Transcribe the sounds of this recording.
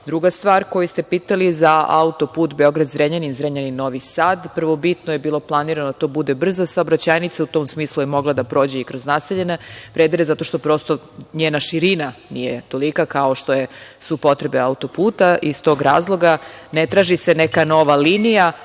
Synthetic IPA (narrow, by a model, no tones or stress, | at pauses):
d̪ɾuɡast̪ʋaːɾko̞just̪e̞piːt̪alizaa̰ut̪o̞puːt̪beo̞ɡɾad̪zɾeɲaninzɾeɲaninno̞ʋisaːd̪pr̩ʋo̞bit̪nojebiːlˠo̞plˠaniɾanod̪at̪o̞ːbud̪e̞br̩zasaobɾat͡ɕaːjnit̪saut̪o̞ːmsmiːslˠujemo̞ɡlˠad̪apɾo̞ːd͡ʑeikɾo̞znaseʎe̞nepɾed̪eɾezat̪o̞ʃt̪o̞pɾo̞st̪o̞ | ɲeːnaʃiɾinanijet̪olikakao̞ʃt̪ojesupo̞t̪ɾebeaut̪o̞puːt̪aʔist̪o̞ɡɾa̰ːzlˠo̞ɡanet̪ɾaːʒisenekano̞ʋalinija